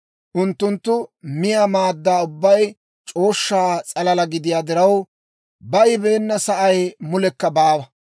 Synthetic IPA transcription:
ʔʊnt̪ːʊnt̪ːʊmɪjaːmaːd̪ːaːʊbːɐj | t͡ʃʼo̞ːʃːaːt͡sʼɐlɐlɐɡɪd̪ɪjaːd̪ɪɾɐw | bɐjbe̞ːnːɐsɐʔɐjmʊlɛkːɐbaːwɐ

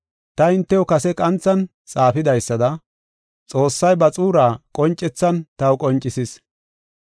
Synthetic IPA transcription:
t̪ɐɪnt̪ːɛwɔkɐsɛkʼɐnt͡sːɐn | t͡sʼaːfɪd̪ɐjsːɐd̪ɐ | t͡sʼo̞ːsːɐjbɐt͡sʼuːɾaːkʼɔnt͡ʃʼːɛt͡sːɐnt̪ɐwʊkʼɔnt͡ʃʼːɪsɪs

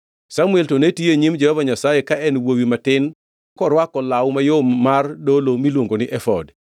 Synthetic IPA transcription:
samʊeltonetieɲimd͡ʒɛhɔvaɲasajekaɛnwowimatɪn | kɔɾwakɔlawmajomːardolomilwoŋɡonɪʔɛfɔd

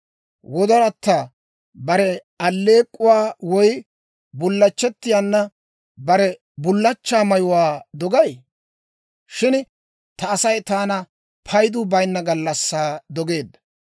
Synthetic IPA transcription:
wɔd̪ɔɾɐt̪ːaː | bɐɾɛ | ɐlːe̞ːkʼːʊwaːwɔj | bʊlːɐt͡ʃːɛt̪ːɪjaːnːɐ | bɐɾɛ | bʊlːɐt͡ʃːaːmɐjʊwaːd̪ɔɡɐj | ʃɪn | t̪ɐːsɐjt̪aːnɐ | pʰɐjd̪ʊbɐjnːɐɡɐlːɐsːaːd̪ɔɡe̞ːd̪ːɐ̥

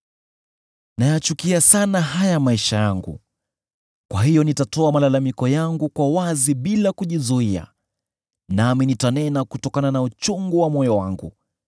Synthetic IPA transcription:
najat͡ʃukiasanaɦajamaiʃajaŋɡṵ | kwaɦijɔnitatɔamalalamikɔjaŋɡukwawaziɓilakuʄizuia̰ | naminitanɛnakutɔkananaut͡ʃuŋɡuwamɔjɔwa̰ŋɡṵ

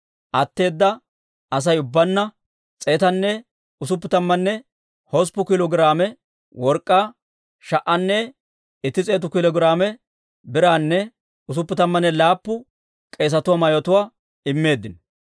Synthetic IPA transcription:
ʔɐt̪ːe̞ːd̪ːɐ | ɐs̬ɐjʊbːɐnːɐ | t͡sʼe̞ːt̪ɐnːɛ | ʊsʊpːɪt̪ɐmːɐnːɛ | hɔs̬pːʊkɪlɔɡɪɾaːmɛ | wɔɾkʼːaː | ʃɐʔɐnːɛ | ɪt̪ːɪt͡sʼe̞ːt̪̬ʊkɪlɔɡɾaːmɛ | bɪɾaːnːɛ | ʊs̬ʊpːɪt̪ɐmːɐnːɛlaːpːʊ | kʼe̞ːs̬ɐt̪ʊwaːmɐjɔt̪ʊwaː | ɪmːe̞ːd̪ːɪn

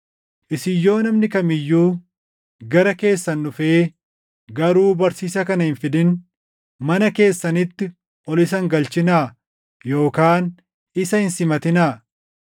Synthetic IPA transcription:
ʔɪsɪjːo̞ːnɐmnɪkɐmɪjːuː | ɡɐɾɐke̞ːsːɐnːʊfe̞ː | ɡɐɾuːbɐɾsiːsɐkɐnɐhɪnfɪd̪ɪn | mɐnɐke̞ːsːɐnɪt̪ːɪ | ʔɔlɪs̬ɐŋɡɐlt͡ʃɪnaː | jo̞ːkaːn | ɪsɐhɪnsɪmɐt̪ɪnaː

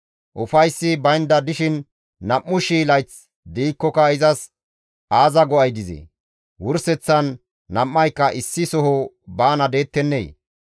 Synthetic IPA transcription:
ʔʊfɐjsːɪbɐjnd̪ɐd̪ɪʃɪnː | ɐmːʊʃiːlɐjt͡s | d̪iːkːɔkɐɪzɐs | aːzɐɡɔɐjd̪ɪzɛ̰ | wʊɾsɛt͡sːɐnː | ɐmːɐjkːɐʔɪsːɪsɔhɔ | baːnɐd̪e̞ːt̪ːɛnːej

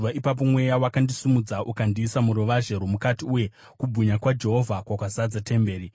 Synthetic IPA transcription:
aipap̬o̞mwe̞jawakandisimud͡zaʔukandiːsamuɾoʋaʒe̞ɾomukatiuje̞ | kubʱuɲakwad͡ʒe̞ɦo̞vʱakwakwazad͡zate̞mbe̞ːɾi

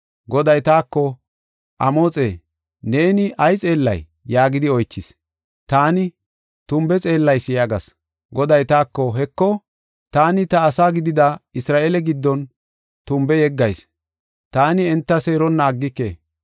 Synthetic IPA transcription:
ɡɔd̪ɐjt̪aːkːɔ | ʔɐmoːt͡sʼeː | ne̞ːnɪʔɐjt͡sʼe̞ːlːɐ̰jː | aːɡɪd̪ɪɔjt͡ʃːɪs | t̪aːnɪ | t̪ʊmbɛt͡sʼe̞ːlːɐjsɪjaɡɐs | ɡɔd̪ɐjt̪aːkːɔɦɛkːɔ | t̪aːnɪt̪ɐːsaːɡɪd̪ɪd̪ɐɪsɾaːʔeːlɛɡɪd̪ːɔn | t̪ʊmbɛjɛɡːɐjs | t̪aːnɪɛnt̪ːɐseːɾɔnːaːɡːɪkːḛː

